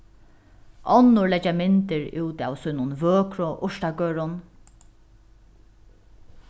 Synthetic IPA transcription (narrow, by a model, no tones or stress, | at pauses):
ʔɔnːʊɹlɛt͡ʃːamɪnt̪ɪɹṵːt̪a̰wsʊjnʊnvøːkɾʊʔʊʂt̪akøːɾʊn